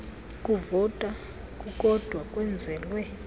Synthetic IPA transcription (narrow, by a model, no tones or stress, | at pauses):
kʼuvɔtʼa | kʼukʼɔd̥ʱwakʼwɛnd͡zʱɛːlwɛ